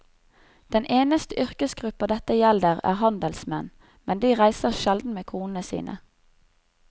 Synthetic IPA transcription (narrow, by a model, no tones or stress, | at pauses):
d̪̥ɛnʔeːnəst̪əʔʏʁkəsɡʁʉpəd̪ɛt̪əjɛld̪əʁæ̰ːʁhɑnd̪əlsmɛn | mɛnd̪iːʁæɪsəʁʃɛld̪n̩meːkʰuːnn̩əsḭːnə̰